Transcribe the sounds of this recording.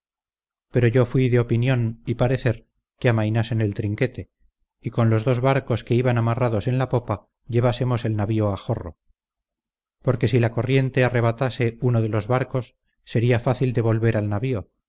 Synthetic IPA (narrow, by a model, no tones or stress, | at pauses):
pe̞ɾo̞ʝo̞fwiðeo̞pinjo̞nipaɾe̞θe̞ɾ | keamajnasene̞lt̪ɾiŋke̞t̪e̞ | iko̞nlo̞zðo̞zβaɾko̞ske̞iβanamaraðo̞se̞nlapo̞pa | ʎe̞β̞ase̞mo̞se̞lnaβio̞axo̞ro̞̰ | po̞ɾke̞silako̞rje̞nt̪e̞are̞β̞at̪ase̞uno̞ðe̞lo̞zβaɾko̞sː | e̞ɾiafaθild̪e̞βo̞lβe̞ɾalnaβio̞